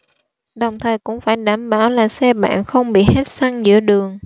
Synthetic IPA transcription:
ɗə˨˩wŋ͡mt̪ʰəː˨˩jkʊ̰˧˥ŋ͡mfaː˧˩jɗaː˧˩mɓaː˧˩wlaː˨˩sɛ˧ɓa̰ː˧˨nxə˧wŋ͡mɓḭ˧˨he˦˥t̚sa˧ŋzɨ̰˧˥əɗɨ˨˩əŋ

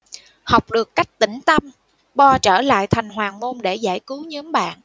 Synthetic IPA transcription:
ha˨˩wk͡p̚ɗɨ˨˩əkːa˦˥jk̟̚t̪ï˧˩ŋ̟t̪ə˧m | ɓɔ˧t͡ɕəː˧˩la̰ː˧˨jt̪ʰa˨˩jŋ̟ɦwaː˨˩mo˧nɗe˧˩zaː˧˩jkɨ˨˦wɲɨ˨˦mɓa̰ː˧˨n

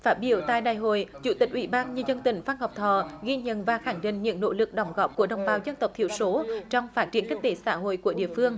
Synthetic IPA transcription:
faː˦˥t̚ɓi˧˩əwt̪a̰ː˧˨jɗaː˨jɦo̰˧˨jt͡ɕṵ˧˩t̪ï˨˩k̟̚ʔwi˧˩ɓaː˧nɲɨ˧zə˧nt̪ï˧˩ŋ̟faː˧nhɔ˨˩wk͡p̚t̪ʰəː˨˩ɣi˧ɲə̰˧˨nvaː˨˩xaː˧˩ŋɗḭ̈˧˨ŋ̟ɲɨ̰˧˥ŋno̰˧˥lɨ˨˩k̚ɗə˨˩wŋ͡mɣɔ˨˩p̚ku˧˩əɗə˨˩wŋ͡mɓaː˨˩wzə˧nt̪ə˨˩wk͡p̚t̪ʰi˧əwso˨˦t͡ɕɔ˧wŋ͡mfaː˦˥t̚t͡ɕi˧˩ənkï˦˥k̟̚t̪e˨˦sa̰ː˧˥ɦo̰˧˨jku˧˩əɗḭ˧˨əfɨ˧əŋ

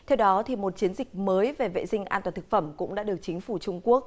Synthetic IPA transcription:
t̪ʰɛ˧wɗɔ˨˦t̪ʰi˨˩mo˨˩t̚t͡ɕi˨˦ənzï˨˩k̟̚məː˨˦jve˨˩vḛ˧˨zï˧ŋ̟ʔa̰ː˧nt̪waː˨˩t̪ɨ˨˩k̚fə˧˩mkʊ̰˧˥ŋ͡mɗa̰ː˧˥ɗɨ˨˩ək̚t͡ɕï˨˦ŋ̟fu˧˩t͡ɕʊ˧ŋ͡mku˦˥ək̚

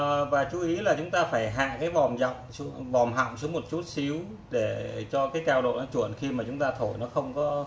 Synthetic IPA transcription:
vaː˨˩t͡ɕu˨˦i˨˦laː˨˩t͡ɕʊ˨˦ŋ͡mt̪aː˧faː˧˩jɦa̰ː˧˨kaː˨˦jvɔ˨˩mza̰˧˨wŋ͡msu˨˧˦vɔ˨˩mɦa̰˧˨wŋ͡msu˨˦mo˨˩t̚t͡ɕu˦˥t̚si˨˦əw | ɗe˧˩t͡ɕɔ˧kaː˨˦jkaː˧wɗo̰˧˨nɔ˨˦t͡ɕu˧˩ənxi˧maː˨˩t͡ɕʊ˨˦ŋ͡mt̪aː˧t̪ʰo˧˩jnɔ˨˦xə˧wŋ͡mkɔ˨˦

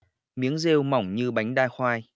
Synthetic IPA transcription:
mi˨˦əŋze˧wma˨˧˩wŋ͡mɲɨ˧ɓa˨˦jŋ̟ɗaː˧jxwaː˧j

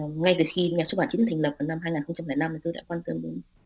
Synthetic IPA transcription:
ŋa˧jt̪ɨ˨˩xi˧ɲaː˨˩so˦˥ɓaː˧˩ḭ˧˦˨t̟ʰːlə˨˩p̚vaː˨˩wna˧mhaː˧jŋaː˨˩nxə˧wŋ͡mt͡ɕa˧mlɛː˨˩jna˧mi˨˩t̪u˧˩ɗa̰ː˧˥kwaː˧nt̪ə˧˩mɗu˨˦n

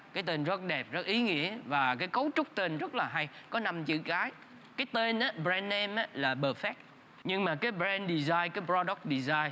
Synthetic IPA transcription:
kaː˨˦jt̪e˧˩nzə˦˥t̚ɗɛ˨˩p̚zə˦˥t̚ʔi˨˦ŋḭ˧˥əvaː˨˩kaː˨˦jkə˨˦wt͡ɕʊ˦˥k͡p̚t̪e˨˩nzə˦˥t̚laː˨˩ɦa˧jkɔ˨˦na˧mt͡ɕɨ̰˧˨ɣaː˨˦j | kaː˨˦jt̪e˧nʔaː˨˦bzɛ˧nʔɛ˧mʔaː˨˦laː˨˩ɓəː˨˩fɛ˦˥t̚ | ɲɨ˧ŋmaː˨˩kaː˨˦jbɾɛ˧nɗi˨˩zaː˧jkaː˨˦jbɾɔ˧ɗɔ˦˥k̚ɗi˨˩zaː˧j

